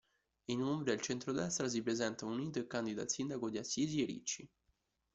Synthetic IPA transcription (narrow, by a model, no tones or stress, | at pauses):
inumbɾid̪elt͡ʃent̪ɾod̪ɛst̪ɾas̬ipɾezɛnt̪auniːt̪̬oekːand̪id̪a̰lsind̪akod̪iasːiːzieɾḭt͡ʃːi